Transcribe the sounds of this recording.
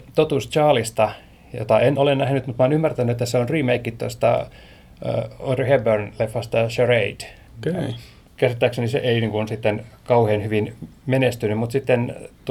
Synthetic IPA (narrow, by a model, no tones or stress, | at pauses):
t̪ot̪ust͡ʃɑːlist̪ɑ | jo̰t̪ɑenolennæhnyt̪mut̪mɑːnymːært̪ænːyet̪ːæseonriːmeikːit̪ːo̰st̪ɑ̰ | o̰d̪rihebørnlefːɑst̪ɑʃøreid̥ | kei | kæset̪ːæksenisḛʔeiniːŋkunsit̪ːenkɑuheːnhyʋinmenest̪ynymut̪sit̪ːent̪